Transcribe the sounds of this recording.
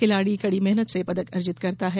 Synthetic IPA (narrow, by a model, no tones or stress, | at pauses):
kɪlaːɽikɐɽimɛɦnət̪sepɐd̪əkɐɾd͡ʒɪt̪kɐɾt̪aɦɛː